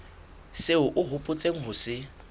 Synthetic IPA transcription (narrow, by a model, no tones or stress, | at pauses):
seʊʔʊɦʊpʼʊt͡sʼeŋ̩ɦʊsɪ